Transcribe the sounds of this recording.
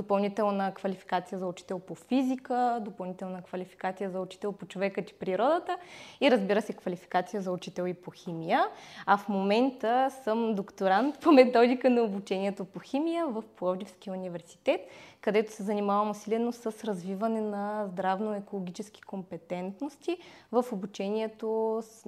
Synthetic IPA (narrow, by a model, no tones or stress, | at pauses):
d̪opɐlˠnit̪ɛlˠnəkvɐlifi̥kat̪sijəzɐʊt͡ʃi̥t̪ɛlˠpofizikəd̪opɐlˠnit̪ɛlˠnəkvɐlʲifi̥kat̪sijəzɐʊt͡ʃi̥t̪ɛlˠpot͡ʃovɛkət̪i̥pɾiɾɔd̪ət̪əiɾəzbiɾəsɛkfɐlifi̥kat̪sijəzɐʊt͡ʃit̪ɛlˠipoximijəɐfmomɛnt̪əsəmd̪okt̪oɾant̪pomɛt̪ɔd̪ikənɐobut͡ʃɛniɛt̪opoxʲimijəvəfplˠɔvd̪ifskijəunivɛɾsi̥t̪ɛt̪kɐd̪ɛt̪o̥sɛzɐnimavəmosilɛnosəsɾɐzvivɐnɛnɐzd̪ɾavnoɛkolˠoɡ̟ʲit͡ʃɛsk̟i̥kompɛt̪ɛnt̪nost̪ʲivəfobut͡ʃɛniɛt̪o